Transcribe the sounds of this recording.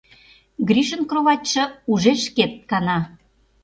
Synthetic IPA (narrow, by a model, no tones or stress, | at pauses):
ɡɾʲiʃə̆nkroβɑtʲʃɤ̆uʒeʃkep̚t̪̚kɑnɑ